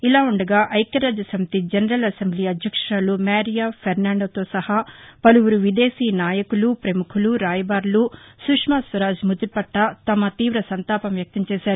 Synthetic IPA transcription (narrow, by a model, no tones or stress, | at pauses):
ilaːuɳɖɐɡaːʔɐjkɐɾaːd͡ʒɐsɐmt̪id͡ʒɐnɐɾɐlɐsembliːɐd̪ʱjɐkʂɐɾaːlumaːɾijaːpʰɐɾnaːɳɖoːt̪o̞ːsɐhaːpɐluʋuɾuʋid̪eːsiːnaːjɐkulupɾɐmukʰuluɾaːjɐbaːɾlusukʂmaːsʋɐɾaːd͡ʒmud̪uɾpɐʈːɐt̪ɐmɐt̪iːʋɾɐsɐnt̪aːpɐmjɐk̚t̪ɐmt͡ʃɛːʃaːɾu